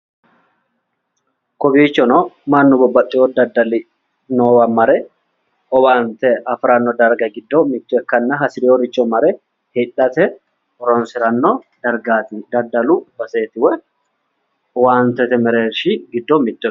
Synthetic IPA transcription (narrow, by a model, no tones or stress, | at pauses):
kɔbiːt͡ʃːɔnɔmɐnːʊbɔbːɐt̪ʼːɪjɔd̪ɐd̪ːɐlɪ | nowɐmɐɾɛ | ɔwaːnt̪ɛɐfɾɐnːɔd̪ɐɾɡɐɡɪd̪ːɔmɪt̪ːʊɛkːɐnːɐɦɐsɪɾɪɔɾɪt͡ʃːɔmɐɾɛ | hɪᶑɐt̪ɛ | ɔɾɔnsɪɾɐnːɔ | d̪̥ɐɾɡaːt̪ɪd̪ɐd̪ːɐlʊbɐseːt̪ɪwɛ | ɔwaːnt̪ɛt̪ɛmɛɾeːʃɪɡɪd̪ːɔmɪt̪ːɔ